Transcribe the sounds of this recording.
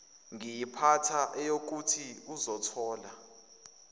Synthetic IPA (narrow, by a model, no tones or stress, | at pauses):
ŋijipʰatʰaʔɛjok̬utʰiuzɔtʰɔːla